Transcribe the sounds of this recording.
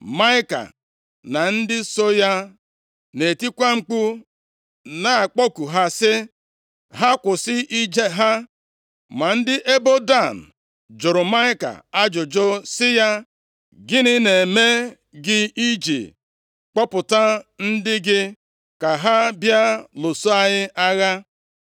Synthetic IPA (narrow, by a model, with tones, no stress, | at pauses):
ma˦ɪ˦ka̰˨ | na˨n̩˦dɪ˦so˦ja˦ | ne˨ti˦kʷa˦ŋ͡m̩˦k͡pu˦ | na˨k͡po˦ku˨ɦa˦sɪ˦ | ɦa˦kʷʊ˨sɪ˦ʔi˦d͡ʒe˦ɦa˦ | ma˨n̩˦dɪ˦ʔe˦bo˦da˦˨n̩˨ | d͡ʒo˨ɾʊ˨ma˦ɪ˦ka̰˨a˦d͡ʒʊ˨d͡ʒo˦sɪ˦ja˦ | ɡɪ˦nɪ˦ne˨me˦ | ɡɪ˦i˦d͡ʒḭ˨ | k͡pɔ˦pʊ˨ta˦n̩˦dɪ˦ɡɪ˦ | ka˨ɦa˦bja˦lo˨so˦a˦ɲɪ˦ʔa˦ɣa˦